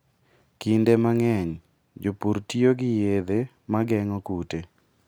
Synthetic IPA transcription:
kindemaŋɛɲ | d͡ʒopuɾtioɡɪjed̪e | maɡɛŋɔkute

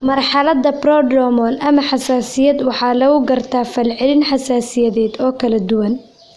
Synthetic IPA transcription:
mɐrħɑlɐðɐbrɔːdɾɔmɔːlɐmɐħɑsaːsɪjɐd̪wɑħɑːlɐɣʊɡɐrt̪ʰaːfɐlʕɪlɪnħɑsaːsɪjɐðɛːd̪ɔːkʰɐlɐd̪ʊwɐn

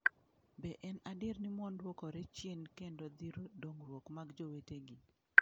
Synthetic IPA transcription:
bɛʔɛnadɪɾnɪmwɔndwokɔɾɛt͡ʃjenkendod̪iɾodoŋɾwokmaɡd͡ʒoweteɡɪ

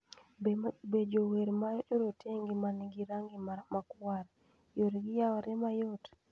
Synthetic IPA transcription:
bed͡ʒoweɾmajɔtoɾotʰeŋɡimaniɡiɾaŋɡiamakwaɾ | joɾɡijawɔɾɛmajɔt

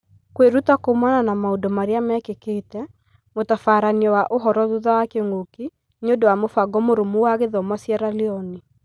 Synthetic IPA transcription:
kweɾutakomananamaodɔmaɾeamɛkeketɛ | motɔfaːɾaniɔwaʔoɦɔɾɔðuðawakeŋɡoki | ɲodowamofaɡɔmoɾomuwaɣeðɔmasjɛɾaleɔni

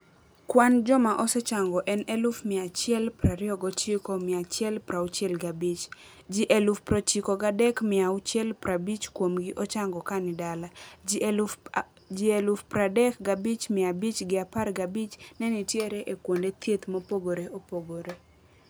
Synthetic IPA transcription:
kwand͡ʒɔmaʔɔsɛt͡ʃaŋɡɔʔɛnɛlʊfmɪat͡ʃjɛlpɾaɾɪɔɡɔt͡ʃikomɪat͡ʃjɛlpɾaut͡ʃjɛlɡabit͡ʃ | d͡ʒiʔelufpɾɔt͡ʃikoɡadɛkmɪaʊt͡ʃjɛlpɾabit͡ʃkwomɡɪʔɔt͡ʃaŋɡɔkanɪdala | d͡ʒielufpɾadɛkɡabit͡ʃmɪabit͡ʃɡɪaparɡabit͡ʃnɛnitjeɾeʔekwondet̪ʰjet̪mopoɡoɾeopoɡoɾe

